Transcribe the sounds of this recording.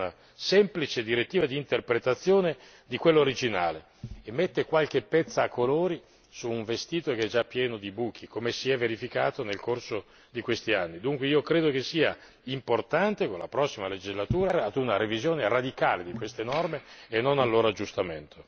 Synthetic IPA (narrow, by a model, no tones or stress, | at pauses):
na | sɛmplit͡ʃed̪iɾet̪ːiːvad̪iːnt̪erpɾet̪at̪sːjoːne | d̪ikwelːooɾid͡ʒinaːle | emːet̪ːekwalk̟epːɛt̪sːaːkːoloːɾi | suːɱvest̪iːt̪okeɛd͡ʒapːjɛːnod̪ibuk̟ikomesiɛvːeɾifikaːt̪onelkorso | d̪ikwest̪ianːid̪uŋkweiːokɾeːd̪ok̟esːiːa̰ | import̪ant̪ekonla̰pɾɔsːimaled͡ʒizlat̪uːɾaɾead̪unaɾevizjoːnerad̪ikaːled̪ikwest̪enɔrmeenːonalːoːɾoad͡ʒːust̪ament̪ʰo